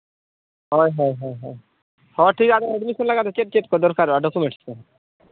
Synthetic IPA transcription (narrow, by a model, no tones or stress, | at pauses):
ɦɔjɦɔjɦɔjɦɔj | hɔʈʰikad̪ɔɛɖmisɔnlaɡat̪et͡ʃeʈ̚t͡ʃeʈ̚kɔd̪ɔɾkaɾaɖɔkumeɳʈske